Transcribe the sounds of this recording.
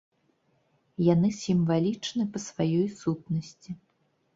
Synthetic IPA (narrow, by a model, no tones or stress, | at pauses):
janɨsʲimvalʲit͡ʂnɨpɐsvajɔjsut̪̚nɐsʲt͡sʲi